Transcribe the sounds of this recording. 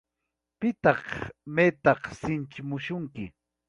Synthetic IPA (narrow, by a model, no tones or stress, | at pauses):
pɪt̪ɑχmet̪ɑχsɪnt͡ʃɪmʊʃʊŋkɪ